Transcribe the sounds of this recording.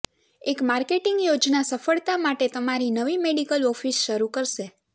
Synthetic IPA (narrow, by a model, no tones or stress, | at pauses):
ekmaɾkeʈɪŋɡjod͡ʒnasəfəɭt̪amaʈet̪əmaɾinəʋimeɽikəlɔfisʃəɾukəɾʃe